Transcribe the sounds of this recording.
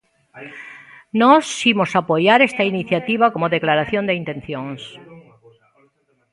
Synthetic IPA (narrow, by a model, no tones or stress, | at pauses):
nosimosapojaɾest̪ainiθjat̪iβakomoðeklaɾaθjond̪eint̪ẽ̞nθjoŋs